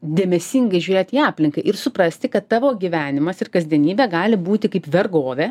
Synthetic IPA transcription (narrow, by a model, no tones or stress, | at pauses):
d̪ʲeːmʲɛsʲiːŋɡɐɪʒʲuːɾʲeːt̪iːɑːpʲlʲɪŋkɐɪʔɪɾsʊpɾɐsʲt̪ʲɪkɐt̪tɑːʋoːɡʲiːʋʲæːnʲɪmɐsɪrkɐzʲd̪ʲiɛnʲiːbʲɛːɡɑːlʲɪbuːt̪ʲɪkɐɪpʋʲɛrɡoːʋʲeː